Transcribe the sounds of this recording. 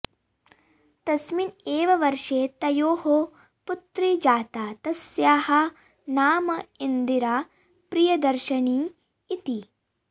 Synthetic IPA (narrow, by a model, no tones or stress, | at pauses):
t̪ɐsmineːʋɐʋɐɾʃeːt̪ɐjoːho | put̪ɾid͡ʒaːt̪aːt̪ɐsjaːhɐ | naːmɐind̪iɾaː | pɾijɐd̪ɐɾʃɐɳiː | t̪i